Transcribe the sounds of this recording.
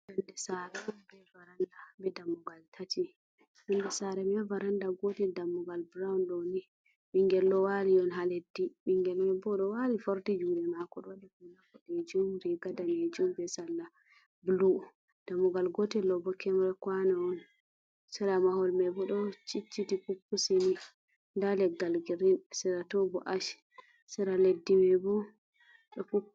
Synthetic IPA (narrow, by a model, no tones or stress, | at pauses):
bɛndɛsaɾɛmɛbɛvaɾandabɛdamuɡaltʰati | ɓɛndɛsaɾɛmɛvaɾandaɡotidamːuɡalbɾawunɗɔni | ɓiŋɡɛlːɔwaliɔnɦaledːiɓiŋɡɛlmɛbɔɗɔwalifoɾtid͡ʒudɛnakɔɗwaɗɛkunakɔɗed͡ʒumɾɛɡadaned͡ʒumbɛsalːa | blu | d̥amuɡalɡɔtɛlɔbɔkɛmɾɛkwanaɔn | sɛɾamahɔlmɛbɔɗɔt͡ʃit͡ʃːitipupːuseni | ndalɛɡalɡiɾinsɛɾatɔbɔ̰ʔaʃ | sɛɾaledːimɛbɔ | ɗɔpu